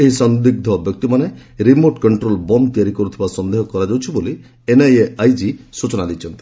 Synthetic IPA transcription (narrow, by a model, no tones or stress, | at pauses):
eɦisɔnd̪iɡ̚d̪ʱɔbjɔk̚t̪imaneɾimoɾʈkɔɳʈɾolbɔmt̪iaɾikɔɾut̪ʰibasɔnd̪eɦɔkɔɾad͡ʒawt͡ʃʰiboli | enajeajd͡ʒisut͡ʃɔnad̪it͡ʃʰɔnt̪i̥